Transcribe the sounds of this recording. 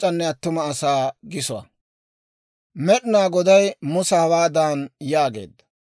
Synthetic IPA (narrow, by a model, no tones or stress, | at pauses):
t͡ʃʼːɐnːɛɐt̪ːʊmɐːsaːɡɪsʊwɐ̰ | mɛɗɪnaːɡɔd̪ɐjmʊsɐhɐwaːd̪aːnjaːɡe̞̰ːd̪ːɐ̥